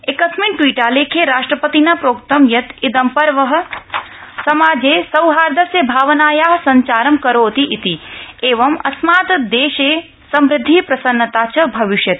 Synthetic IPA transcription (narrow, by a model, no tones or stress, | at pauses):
ekɐsminʈwiːʈaːleːkʰeɾaːʂʈɾɐpɐt̪inapɾoːk̚t̪ɐmjɐt̪id̪ɐmpɐɾʋɐɦɐ̆ | sɐmaːd͡ʒeːsɐwɦaːɾd̪ʱɐsebʱaːʋɐnaːjaːɦsɐɲt͡ʃaːɾɐmkɐɾoːt̪iʔit̪ieːʋɐmɐ̰smaːt̪d̪eːʃeː | sɐmɾɪd̪ʱːiːpɾɐsɐnːɐt̪aːt͡ʃʰɐbʱɐʋɪʃjɐt̪